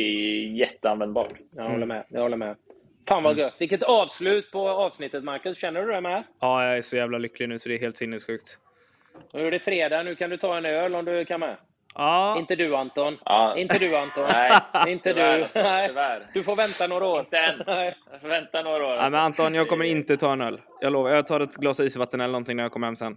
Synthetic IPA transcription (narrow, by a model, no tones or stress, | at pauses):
ɛjɛt̪ːəanvɛnd̪bɑ̰ːʈjɑɡhɔlːəmɛ̰jɑ̰ɡhɔlːəɾmɛ | faːnvaɡɵt̪ːvɪkːət̪ɑːvslʉ̟ːt̪pʰɔɑːvsnɪt̪ːət̪maɾkɵsɕɛnːəɖɵd̪ɛmɛɑːjɑæʂɔjæːvlalʏklɪɡnʉ̟ːsɔd̪ɛːɾɦeːlt̪sɪnːəsɧʉ̟ːk̚t̪ː | ɖɛfɾeːd̪ɑːnʉ̟ːkʰand̪ɵt̪ʰɑːɛnɪøːlɔmd̪ɵkʰanmɛ | ɑːɪnt̪əd̪ʉant̪ɔnɪnt̪əd̪ʉant̪ɔnɪnt̪əd̪ɛvæɾd̪̥ɵfoɾvɛnt̪anoːɾaoːɾɛnɛ | vɛnt̪anoːɾaoːɾæjmɛnant̪ɔnjɑːɡkʰɔmːəɾɪnt̪ət̪ʰɑːɛnœlː | jʔɑ̰ːloːvaɾjɑhat̪ʰɑːd̪ɛt̪ɡlɑːsaiːsvat̪ːənɛləɳɔnt̪ɪŋnæɾjakʰɔməɾhɛmːsɛn